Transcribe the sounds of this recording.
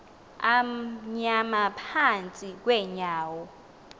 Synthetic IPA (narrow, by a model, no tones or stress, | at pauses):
amɲamapʰant͡sʼik̬wɛɲaːwɔ